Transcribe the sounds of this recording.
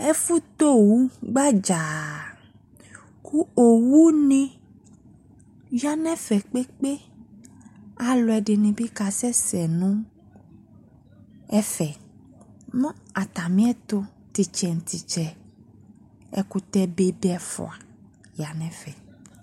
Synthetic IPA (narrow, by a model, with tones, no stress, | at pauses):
ɛ˦fu˦t̪o˦˨wu˦ɡ͡ba˦d͡ʒa˨ | kʰu˦o˨wu˦nĩ˦ | ja˦nɛ̃˦fɛ˨k͡pe˦k͡pe˦ | a˨lɔ˧˦ɛ˨dɪ˨nĩ˧bi˦ka˧sɛ˦sɛ˨nũ˦ | ɛ˦fɛ˨ | nɔ̃˦a˨t̪a˨mĩ˦ɛ˦t̪o˧ | t̪i˨t͡ʃɛ˨n̩˨t̪i˨t͡ʃɛ˨ | ɛ̰˨ku˧t̪ɛ˦be˦be˦ɛ˦fɔ̰˨a˨ | ja˨nɛ̃˨fɛ˨